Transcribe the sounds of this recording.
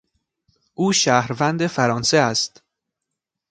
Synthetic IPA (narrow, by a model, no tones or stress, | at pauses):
ʔuːʃæːhɾvænd̪e̞fæɾɒːnseæst̪